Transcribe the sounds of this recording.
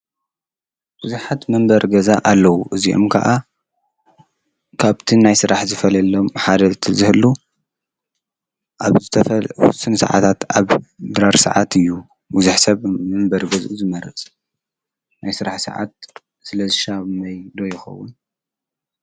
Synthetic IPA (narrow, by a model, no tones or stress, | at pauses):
b̥uzuħat̪mɨmbɐɾɡɐzaʔalːɐwuʔɨziʔo̰mkʰɐʔa | kʰaβt̪ʰinajsɨɾaħzɨfɐlɐlːomħad̪ɐt̪ʰɨzɨhɨlːu | ʔaβzɨt̪ʰɐfwʊ̰sɨnsɐ̰ʕa̰t̪ʰat̪ʰaβd̪ɾaɾsɐ̰ʕat̪ʰɨjːu | buzuħsɐβmɨmbɐɾɡɐzʔuzɨmɐɾɨ̰t͡sʼ | najsɨɾaħsɐ̰ʕa̰t̪̚ | sɨlɐzɨʃaβmɐjd̪ojɪxɐ̰wːʊn